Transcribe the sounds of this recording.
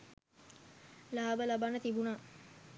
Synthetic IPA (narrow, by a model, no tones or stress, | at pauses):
laːbəlabanət̪ibuna